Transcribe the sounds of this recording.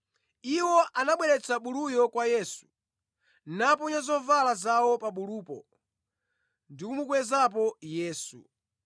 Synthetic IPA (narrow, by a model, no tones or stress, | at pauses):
iwɔʔanaɓwɛɾɛt͡sʰaɓulujɔkwajɛːsu̥ | napɔɲazɔvalazawɔpaɓuluːpɔ | ndikumukwɛzap̬ɔjɛːsṵ